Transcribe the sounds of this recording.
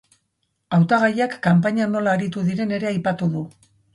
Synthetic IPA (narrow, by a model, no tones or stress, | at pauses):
awt̪aɣ̞ajakːampaɲano̞laːɾit̪uðiɾe̞ne̞ɾe̞ajpat̪uðu